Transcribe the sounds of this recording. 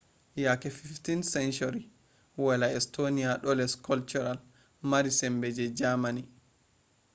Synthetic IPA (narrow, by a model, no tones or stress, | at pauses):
jakɛfiftinsɛnt͡ʃuɾi | walaɛstoniaɗɔlɛskɔlt͡ʃuɾal | maɾisɛmbɛd͡ʒɛd͡ʒamani